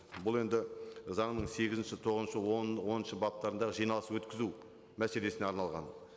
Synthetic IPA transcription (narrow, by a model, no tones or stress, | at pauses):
bʊlˠe̞nd̪ɪzɑɴnəɴse̞ɡʲɪzɪnʃɪt̪ʰo̞ʁənʃəwo̞nənʃəbɑp̚t̪ɑɾənd̪ɑʁəʒijnɑlˠəswɵt̪kʲɪzu | mæse̞le̞sɪne̞ɑɾnɑlˠʁɑ̰n